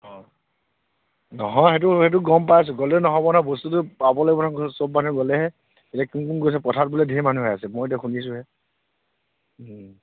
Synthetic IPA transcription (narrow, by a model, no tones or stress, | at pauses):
ɔ | nɔɦɔ̃jxet̬uhet̬uɡɔmpajas̬ɛɡɔlɛnɔɦɔbɔnabɔstutʊpabɔlɔɡɛbɔnaksobmanuɡɔlɛhɛ | etakumkunɡojs̬ɛpɔtʰat̚bulɛdʱimanuɦɔjasɛmojet̬axunis̬ʊ̃ɦɛ